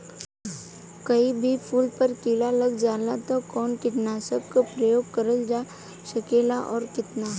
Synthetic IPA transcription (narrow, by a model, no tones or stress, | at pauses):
kɐibʱipʰuːlpəɾkiɽalɐɡd͡ʒaːlat̪okɔːnkɪʈnaːsəkkopɾəjoːɡ̚kəɾəld͡ʒaː | ʃɐkeːlaʔɔːɾkɪt̪naː